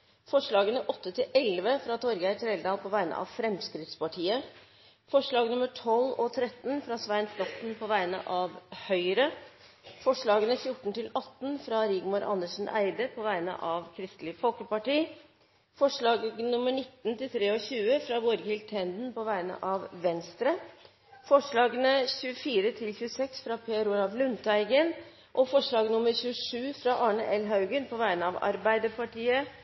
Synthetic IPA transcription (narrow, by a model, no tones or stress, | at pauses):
fɔʂɭɑːɡənəʔɔt̪ːət̪ʰɪlʔɛlʋəfɾɑːt̪ʰɔɾɡəæɪʈ̪ʰɾeːld̪ɑːlpʰɔʋæɪnə̰ʔɑ̰ːʋfɾɛmskɾɪt̪spɑʈʰiːə | fɔʂɭɑːɡnʉməʈʰɔlːɔt̪ʰɾɛt̪ːnfɾɑːsʋæɪnflɔt̪npʰɔʋæɪnə̰ʔɑːʋhœʏɾə | fɔʂɭɑːɡənəfjʊʈːn̩t̪ʰɪlɑt̪ːnfɾɑɾɪɡmʊɾʔɑ̰nəʂn̩æ̰ɪd̪əpʰɔʋæɪnə̰ʔɑʋkʰɾɪst̪lɪfɔlkəpɑʈiː | fɔʂɭɑːɡɡnʊmːəɳɪt̪ːnt̪ɪlt̪ʰɾeːɔçʉːəfɾɑʋɔɾɡɪlt̪ʰɛnd̪n̩pɔʋæɪnə̰ʔɑʋʋɛnst̪ɾə | fɔʂɭɑːɡənəçʉːəfiːɾət̪ʰɪlçʉəsɛksfɾɑpʰeːɾuːɾɑʋlʉnt̪ʰæɪɡən | ʔɔfɔʂɭɑːɡnʊməɾçʉːəʂʉːfɾɑʔɑːɳəʔɛlɦɑʉɡənpʰɔʋæɪnəɑʋɑ̰ɾbæɪd̪əpɑʈiːə